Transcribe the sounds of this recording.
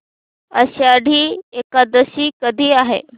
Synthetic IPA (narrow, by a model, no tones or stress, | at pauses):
ə̰ɕaɽʱiːekad̪əsiːkəd̪ʱiːaɦḛ